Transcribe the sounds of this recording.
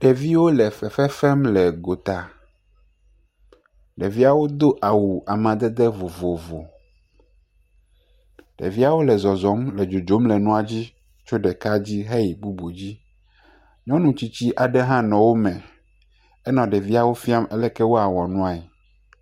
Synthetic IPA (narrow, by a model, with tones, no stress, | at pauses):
ɖɛ˨vi˦wo˦lɛ˨fɛ˨fɛ˦fɛ˦mlɛ˨ɡo˨t̪a˨ | ɖɛ˨vi˦a˦˨wo˦d̪o˦ʔa˨wu˨a˨mã˨d̪ɛ˦d̪ɛ˦vo˨vo˨vo˨ | ɖ̥ɛ̰˨vi˦a˦wo˦lɛ˨zɔ˨zɔ˨˦mlɛ˨d͡ʒo˨d͡ʒo˦mlɛ˨nũ˦a˨d͡ʑi˦ | t͡ʃo˦ɖɛ˨ka˦d͡ʑi˦ɦe˦i˨bu˦bo˨d͡ʑi˦ | ɲɔ̃˦nũ˨t͡ɕi˦t͡ɕi˦ʔa˨ɖɛ˦ɦã˦nɔ̃˨wo˦mɛ̃˨ | ɛ˦nɔ̃˨ɖɛ˨vi˦a˨wo˦fi˦a˦mɛ˦lɛ˦kɛ˦wo˦a˨wɔ˨nũ˦a˨e˨